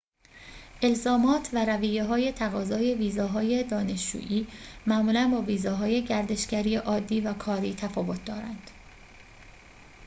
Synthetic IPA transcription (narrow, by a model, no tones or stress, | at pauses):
ʔe̞lzɒːmɒːt̪ʰvæɾæviːjeɦɒːje̞t̪ʰæɣɒːzɒːje̞viːzɒːɦɒːje̞d̪ɒːne̞ʃd͡ʒṵːʔiːmæmuːlænbɒːviːzɒːɦɒːje̞ɟæɾd̪e̞ʃɡæɾiːeʔɒːd̪ːiːvækʰɒːɾiːt̪ʰæfɒːvo̞t̪̚ʰd̪ɒːɾænd̪̥